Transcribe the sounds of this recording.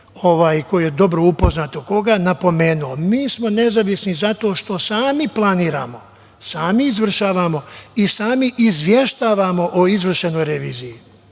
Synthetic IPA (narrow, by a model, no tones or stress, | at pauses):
o̞ʋaːjko̞ojed̪o̞bɾoupo̞znat̪oko̞ɡanapo̞me̞ːnuomiːsmo̞ne̞zaʋisnizat̪o̞ːʃt̪o̞saːmiplˠaniːɾa̰ːmo̞ | saːmiːzʋr̩ʃaːʋamo̞isaːmiʔizʋje̞ʃt̪aːʋamo̞ʔoizʋr̩ʃeno̞jɾeʋiːziji